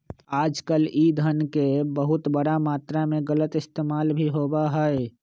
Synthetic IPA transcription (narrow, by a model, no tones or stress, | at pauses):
aːd͡ʒkəlid̪ʱənkebəɦʊt̪bəɽamaːt̪ɾamẽɣələt̪ɪst̪eːmaːlbʱiɦoːbaɦɛe